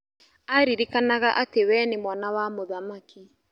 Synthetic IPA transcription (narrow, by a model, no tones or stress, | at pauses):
aɾiɾikanaɣaʔatewɛːnemwanawamoðamakʰi